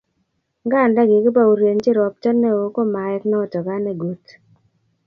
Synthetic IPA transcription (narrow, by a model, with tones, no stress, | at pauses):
ŋɡa˦˨nda˦ɡɪ˨kɪ˦pa˦u˨ɾje˨nt͡ʃɪ˦ɾɔ˨p̚t͡ʃɔ˦nːɛ˦o˨˦ko˦ma˨jɛ˦knɛ˦ɔ˨tɔ˨ɡa˦nɛ˨ɡu˦t